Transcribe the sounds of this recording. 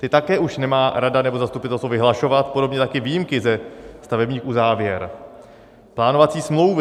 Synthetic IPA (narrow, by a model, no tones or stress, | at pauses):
t̪ɪt̪akɛːʔuʃnɛmaːɾadanɛbo̞zast̪upɪt̪ɛlst̪vovɪɦlaʃo̞vat̪po̞do̞bɲɛt̪akɪviːjɪmkɪzɛst̪avɛbɲiːxʔuzaːvjɛɾ | plaːno̞vat͡siːsmlowv